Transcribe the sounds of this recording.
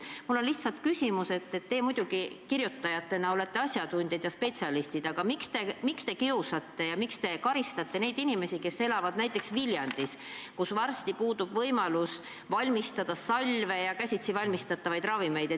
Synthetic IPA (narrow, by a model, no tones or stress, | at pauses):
mulːo̞nliht̪sɑlt̪kysʲimuse̞t̪ːet̪ːe̞ːmud̪̥uɡikirjut̪ːɑjɑt̪ːe̞nɑo̞le̞t̪ːˑe̞ɑsʲjɑd̪unʲd̪̥ʲɑd̪̥jɑspe̞t̪siɑlist̪id̪̥ɑɡ̥ɑmikst̪e̞mikst̪e̞kiusɑt̪ːe̞jɑmikst̪e̞kɑɾist̪ɑt̪ːe̞ne̞jd̪̥inime̞sʲike̞sːe̞lɑvɑd̪̥næjt̪ːˑeksviljɑnd̪̥iskusvɑrst̪ipuːd̪ub̥vɤjmɑlus | vɑlʲmist̪ɑd̪̥ɑsɑlʲve̞jɑkæsʲit̪sivɑlʲmist̪ɑt̪ːɑvɑjd̪rɑvime̞jd̪̥e